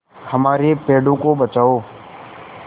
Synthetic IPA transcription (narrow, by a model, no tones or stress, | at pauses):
həmaːɾeːpeːɖõːkoːɓət͡ʃaːoː